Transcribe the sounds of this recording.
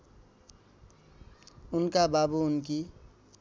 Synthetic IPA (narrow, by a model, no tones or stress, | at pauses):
unkababuːnki